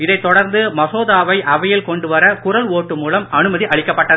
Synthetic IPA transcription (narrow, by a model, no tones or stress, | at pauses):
ɪðɐɪt̪ːɔɽɐɾnd̪ɯmɐsoːðaːʋɐɪʔɐʋɐjɪlkɔɳɖɯʋɐɾɐkʊrɐloːʈːɯmuːlɐmɐnɯmɐðiʔɐɭɪkːɐpːɐʈːɐðɯ